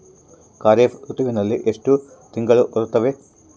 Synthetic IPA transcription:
kaːɾefut̪ːiʋʲinːɐlːeʔeʂtu | t̪iŋɡɐɭɨʔorut̪ːɐʋe

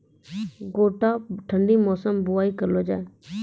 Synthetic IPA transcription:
ɡoːʈaːʈʰəɳɖiːmɔːsəmbʊaːiːkəɾloːd͡ʒaːeː

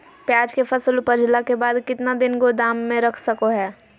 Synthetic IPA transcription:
pjaːd͡ʒkepʰɐsəlʊpəɾd͡ʒlakebaːd̪kɪt̪nad̪ɪnɡod̪aːmːẽɾɐkʰsɐkoɦɛː

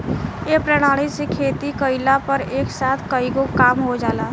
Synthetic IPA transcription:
epɾəɽ̃aːɽ̃isekʰeːt̪ikəɪlapəɾeːksaːt̪ʰkəiɡokaːmɦod͡ʒaːlaː

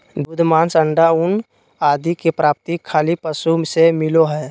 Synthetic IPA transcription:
d̪ud̪ʱmaːnsəɳɖaʊn | aːd̪ʱikepɾaːp̚t̪ikʰːaːlipəsumsemɪloɦɛː

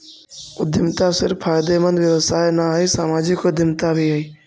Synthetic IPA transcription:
ʊd̪ɪmt̪asɪɾffaːɪd̪emə̃nd̪ʋjəʋəsaːenaɦisaːmaːd͡ʒɪkod̪ɪmt̪abʱiɦəiː

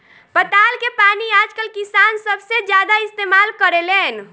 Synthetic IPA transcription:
pət̪alkepaniaːd͡ʒkəlkisansəbʱsed͡ʒjad̪aɪst̪emalkəɾelen

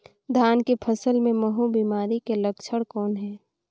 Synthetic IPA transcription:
d̪ʱaːnkepʰəsəlmẽməɦubiːmaːɾikeləkt͡ʃʰəɽkɔːnɦɛː

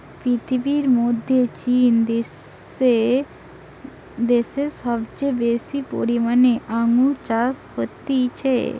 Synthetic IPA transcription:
pɾit̪ʰibiɾmod̪ʱːet͡ɕin | d̪eseɾʃɔbt͡ɕebesipo̰ɾimaneʔaŋut͡ɕashot̪ːit͡ɕʰḛ

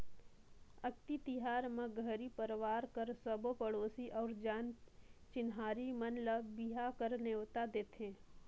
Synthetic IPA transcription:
ək̚t̪it̪ɪɦaːɾmẽɡʱəɾipəɾwaːɾkəɾsəbpəɽoːsiʔɔːɾd͡ʒaːnt͡ʃɪnɦaːɾimənləbiɦakəɾnewt̪ad̪eːt̪ẽː

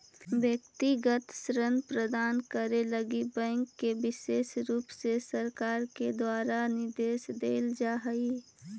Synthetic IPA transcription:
bjək̚t̪iɡət̪sɾənpɾəd̪aːnkəɾeləɡibɛ̃ːŋkːebɪʃeːsɾuːpsesəɾkaːɾked̪waːɾanɪɾd̪eːʃd̪eːld͡ʒaːɦəi

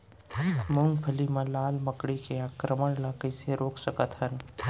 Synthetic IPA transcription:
mʊ̃ŋɡpʰəlimãlaːlməkɽikeaːkɾəməɽlakəɪseɾoːksəkət̪hən

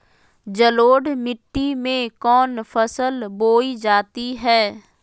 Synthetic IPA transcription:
d͡ʒəloːɖmɪʈːimẽkɔːnfʰəsəlboːid͡ʒaːt̪iɦɛː

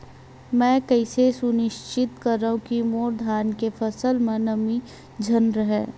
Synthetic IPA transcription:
mɛ̃ːkɐɪsesʊnɪʃt͡ʃɪt̪kɐɾːaɦũkimoːɾd̪ʱaːnkefʰɐsəlmẽnɐmi | d͡ʒʱɐnɾəɦɛː

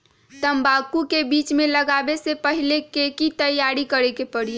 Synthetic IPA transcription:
t̪əmbakukebiːt͡ʃmẽləɡaːbesepəɦilekekit̪əjaːɾikəɾekepəɽie

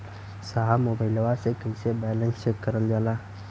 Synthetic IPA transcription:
saɦamoːbaɪləʋasekəisebɛlə̃nsekəɾəld͡ʒaːlaː

